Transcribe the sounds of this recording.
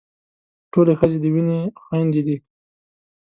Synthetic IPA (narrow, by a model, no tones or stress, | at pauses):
ʈolexəzed̪əwinexwand̪ed̪i